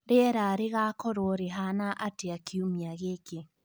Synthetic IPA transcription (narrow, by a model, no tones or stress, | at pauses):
ɾeɛɾaɾeɣakɔɾoɾeɦanaʔateakʰiumiaɣeke